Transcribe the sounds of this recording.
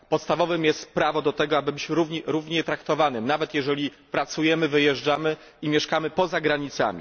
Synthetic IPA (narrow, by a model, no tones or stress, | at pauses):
pɔt̪st̪avɔvɘmjɛst̪̚pɾavɔd̪ɔt̪ɛɡɔabɘbɘt͡ɕɾuvɲɛɾuvɲɛt̪ɾakt̪ɔvanɘmnavɛt̪jɛʐɛlʲi | pɾat̪sujɛmɘvɘjɛʐd͡ʐamɘ | imʲjɛʂkamɘpɔzaɡɾaɲit̪sa̰mʲḭ